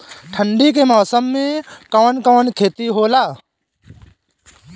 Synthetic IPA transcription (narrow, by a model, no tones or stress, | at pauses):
ʈʰəɳɖikemɔːsəmːẽkəʋənkəʋənkʰeːt̪iɦoːlaː